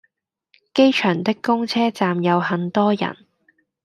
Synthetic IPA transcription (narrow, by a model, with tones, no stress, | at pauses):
ke˥jt͡ʃʰœː˨˩ŋt̪ɪ˥kːʊ˥ŋt͡sʰɛː˥t͡saː˨mjɐ˨˧whɐ˨˧nt̪ɔː˥jɐ̰˨˩n